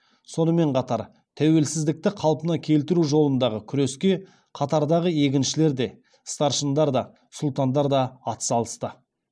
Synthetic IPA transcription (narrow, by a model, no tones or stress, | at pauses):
so̞nəme̞ɴqʰɑt̪ɑɾ | t̪ʰæwe̞lsɪzd̪ɪk̚t̪ɪqʰɑlˠpənɑkʲʰe̞lt̪ɪɾuʒo̞lˠənd̪ɑʁəkʲʰʏɾe̞skʲe̞ | qʰɑt̪ɑɾd̪ɑʁəe̞kʲɪnʃɪle̞ɾd̪e̞ | st̪ɑɾʃənd̪ɑɾd̪ɑ | sʊlˠt̪ɑnd̪ɑɾd̪ɑːt̪ə̥sɑlˠəst̪ə